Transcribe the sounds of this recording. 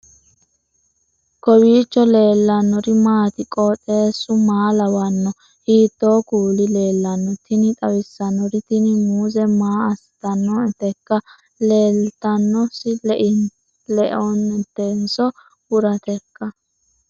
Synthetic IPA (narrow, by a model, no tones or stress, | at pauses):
kɔwiːt͡ʃːɔle̞ːlːɐnːɔɾɪmaːt̪ɪkʼɔt͡sʼe̞ːsːʊmaːlɐwɐnːɔ | hiːd̪̥ːoːkuːlɪle̞ːlːɐnːɔt̪ɪnɪt̪ʼɐwɪsːɐnːɔɾɪt̪ɪnɪmuːzɛmaːɐst̪ɐnːɔt̪ɛkːɐ | leːlt̪ɐnːɔsɪl | lɛʔɔnɛt̪ːensɔ | wʊɾɐt̪ɛkːɐ